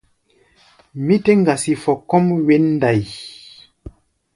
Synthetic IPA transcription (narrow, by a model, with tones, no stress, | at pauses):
mi˦te˦ŋɡa˨si˨fɔ˨kɔ˦mwe˦nː˦da˨j